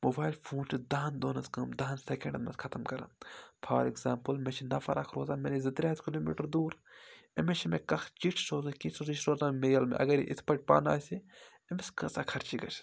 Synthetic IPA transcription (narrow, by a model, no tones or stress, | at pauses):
moːbaːjlpʰoːnt͡ʃid̪aːnd̪oːnɐskɐmd̪aːnsekẽɳɖɐnmɐ̰skʰɐt̪ɐmkɐɾã̰ːpʰaːɾiɡzaːmpəlmẽt͡ʃʰinɐfɐɾʔa̰kʰɾoːzamenizɨt̪ɾʲaːt̪ʰkiloːmḭːʈɐɾd̪uːɾemet͡ʃʰimẽkɐxʰt͡ʃiʈʰsoːzɐkĩsuzit͡ʃʰɾoːzaːmmeːjɐlmḛʔɐ̰ɡɐɾḭʔit̪ʰpɐʈ̚ʲpa̰ːna̰ːsi | emeskɐsaːkʰɐɾt͡ʃiɡɐt͡ʃʰ